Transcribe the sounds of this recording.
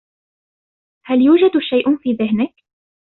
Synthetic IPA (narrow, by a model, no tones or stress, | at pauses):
haljuːd͡ʒad̪ʃajʔʊfiːðɪhnɪk